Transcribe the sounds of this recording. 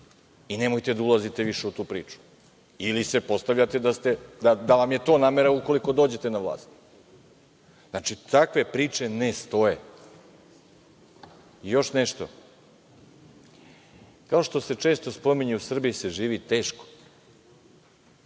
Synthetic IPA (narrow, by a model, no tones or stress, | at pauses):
ine̞mo̞jt̪e̞d̪aulˠazit̪eʋiʃe̞ut̪uːpɾḭːt͡ʂu̥ | ilise̞po̞st̪aʋʎat̪ed̪ast̪e̞d̪ad̪aʋamje̞t̪o̞ːnaːmeɾauko̞liko̞d̪o̞ːd͡ʑe̞t̪e̞naʋlˠa̰ːst̪ | znat͡ʃit̪akʋe̞pɾiːt͡ʂe̞nest̪o̞je̞ | jo̞ʃneʃt̪o̞̰ | kao̞ʃt̪o̞se̞t͡ʂeːst̪ospo̞miɲeusr̩bijise̞ʒiːʋit̪e̞ːʃko̥